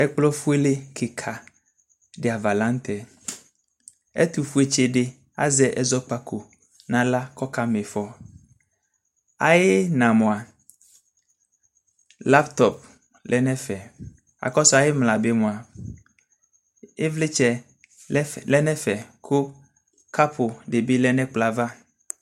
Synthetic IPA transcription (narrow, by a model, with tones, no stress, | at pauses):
ɛ˦k͡plɔ˦fu˦e˦le˦kʰe˨kʰa˨ | ɖe˨a˨va˨lã˦ŋ˦t̪ɛ˨ | ḛ˦t̪u˨fu˦e˦t͡ʃe˦ɖe˦ | a̰˦zɛ˦ʔɛ˦zɔ˦k͡pa˦kʰo˨ | nã˨la˦kɔ˦ka˦me˨fɔ˦ | a˨je˦nã˨mõ˨a˨ | la˦pt̪ɔ˨p̚ | lʔɛ˦nɛ̃˦fɛ˨ | a̰˨kɔ˦sɔ˦a˨je˦mla˨be˦mũ˨a˨ | e˦vlɪ˦t͡ʃɛ˦ | lɛ˦nɛ̃˦fɛ˨kʰʊ˦ | ka˦pʰʊ˨ɖe˨be˦lɛ˦nɛ̃˦k͡pla˨va˦